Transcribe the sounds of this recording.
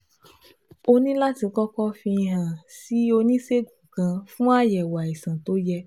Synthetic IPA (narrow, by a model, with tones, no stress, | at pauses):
o˧nĩ˦la˦tĩ˧kɔ˦kɔ˦fĩ˧ɦã˨si˨˦o˧nĩ˦se˦ɡũ˨ɡã˧fũ˦a˦jɛ˨wa˨i˨sã˨to˨˦jɛ˧